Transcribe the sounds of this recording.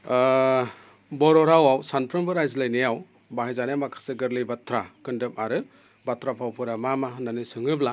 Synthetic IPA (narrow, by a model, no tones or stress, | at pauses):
bɔɾɔɾawawsanpʰɾɯmbɯɾajzlɯjnejaw | baɦajzanjamakʰḁseɡɯɾlɯbatʰɾakɯndɯpaɾɯ | batʰɾapʰawpʰɯɾamamananɯsɯŋɯbla